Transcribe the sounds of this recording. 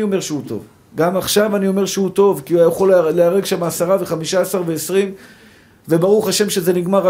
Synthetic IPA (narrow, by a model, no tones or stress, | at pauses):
io̞me̞ʁʃeut̪o̞̰v | ɡamaχʃavanio̞me̞ʁʃehut̪o̞vkiuajaχo̞lleaʁeɡʃamaːsaʁaveχamiʃaːsaʁve̞esʁim | ve̞baʁuχhaʃe̞mʃeze̞niɡmaʁa